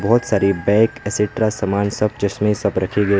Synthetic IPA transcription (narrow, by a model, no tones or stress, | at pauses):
bɔːt̪saːɾibɛ̃ːkɛsɪʈɾasɐmaːnsɐb̚t͡ʃɐsmĩsɐbɾɐkʰiɡɐi